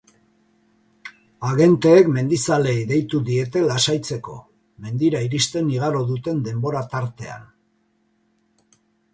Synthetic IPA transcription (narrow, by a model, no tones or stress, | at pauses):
aɣe̞nt̪e̞ːkme̞nd̪isale̞jðe̞jt̪uðie̞t̪e̞lasajt͡se̞ko̞ | me̞nd̪iɾaiɾist̪e̞niɣ̞aɾo̞ðut̪e̞nd̪e̞mbo̞ɾat̪aɾt̪e̞a̰n